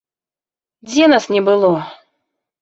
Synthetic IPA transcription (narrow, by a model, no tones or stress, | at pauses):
dʲenasnʲɪbɨlˠo